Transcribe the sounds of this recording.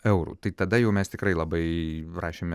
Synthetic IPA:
ɛʊɾṵːt̪ɐɪt̪ɐd̪ɐjɛʊmʲɛst̪ʲɪkɾɐɪlˠɐbɐɪrɑːʃʲeːmʲɛ

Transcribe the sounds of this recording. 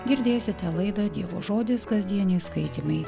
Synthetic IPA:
ɡʲɪɾʲd̪ʲeːsʲɪt̪ʲɛlˠɐɪd̪ɐd̪ʲiɛʋo̰ːʒoːd̪ʲɪskɐzʲd̪ʲiɛnʲɛɪskɐɪt̪ʲimɐɪ

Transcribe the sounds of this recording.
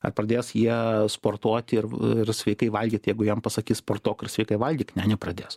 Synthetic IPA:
ɐ̰rprɐd̪ʲeːsjiɛspoːrt̪uɔt̪ʲɪrɪrsʲʋʲɛɪkɐɪʋɐlʲɡʲiːt̪jɛɪɡʊjɛmpɐsɐkʲiːspoːrt̪oːkɪrsʲʋʲɛɪkɐɪʋɐlʲɡʲiːknʲænʲɪprɐd̪ʲeːs

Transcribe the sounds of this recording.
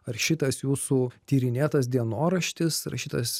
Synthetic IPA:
ɐɾʃʲɪt̪ɐsjuːsuːt̪ʲiːɾʲɪnʲeːt̪ɐsd̪ʲiɛnoːɾɐʃʲt̪ʲɪsɐɾʃʲɪt̪ɐs

